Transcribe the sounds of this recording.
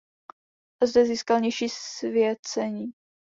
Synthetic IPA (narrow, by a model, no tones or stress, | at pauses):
ʔazdɛziːskalɲɛjʃiːsvɪjɛt͡sɛɲiː